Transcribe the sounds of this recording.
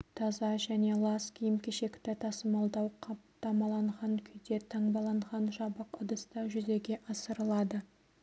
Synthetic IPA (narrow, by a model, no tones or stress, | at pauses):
t̪ʰɑzɑʒæne̞lˠɑskʲʰijɪmkʲeʃe̞kʲt̪ɪt̪ʰɑsəmɑlˠd̪ɑwqʰɑpt̪ɑmɑlˠɑɴʁɑŋkʲʰʏjd̪e̞t̪ʰɑɴbɑlˠɑɴʁɑnʒɑbəqʰʊd̪əst̪ɑʒʏze̞ɡʲe̞ʔɑsəɾəlˠɑd̪ə